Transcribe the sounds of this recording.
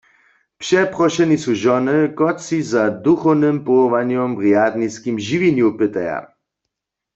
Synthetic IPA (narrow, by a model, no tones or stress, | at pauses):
pʃɛpʁɔʃɛnisuʒɔnɪkɔtsizad̪uxɔwnɨmpɔvanjɔmʁjad̪niskimʒivinjupɪt̪aja̰